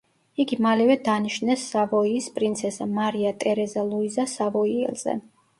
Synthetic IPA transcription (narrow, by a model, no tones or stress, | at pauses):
iɡimalɛvɛd̪aniʃnɛsːavɔiːspʼɾint̪sʰɛsamaɾiat̪ʼɛɾɛzalˠuizasavɔiɛ̰lˠz̥ɛ̰